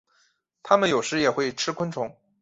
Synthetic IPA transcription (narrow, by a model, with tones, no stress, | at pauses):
t̪ʰa˥mə˨njo˨˩ʊʂɻ̩˧˥jɛ˨˩xwe˥˩ɪʈ͡ʂʰɻ̩˥kʰwə˥nʈ͡ʂʰʊ˧˥ŋ